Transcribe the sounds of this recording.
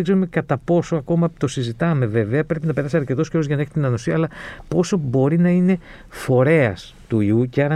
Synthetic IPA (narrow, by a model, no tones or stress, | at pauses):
eɡze̞ɾume̞kɐt̪ɐpo̞so̞ɐko̞mɐt̪o̞sizit̪ɐme̞ve̞ve̞ɐpɾe̞pinɐpe̞ɾɐsiɐɾce̞t̪o̞sceɾoʝɐnɐeçi̥t̪inɐnosiɐlɐpo̞so̞bo̞ɾinɐine̞ | fo̞ɾe̞ɐ̰s | t̪uiuceɐɾɐ